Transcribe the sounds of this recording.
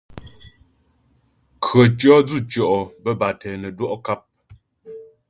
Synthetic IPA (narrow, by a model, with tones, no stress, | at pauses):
kʰɰə˨t͡ʃɔ˦d͡zu˦˨t͡ʃɔ˨ʔɔ˨bə˦ba˨tʰɛ˨nə˨dwɔ˦ʔka˦˨p̚